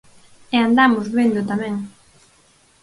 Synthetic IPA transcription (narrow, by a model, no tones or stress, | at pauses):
eand̪amʊzβend̪ʊt̪amɛ̃ŋ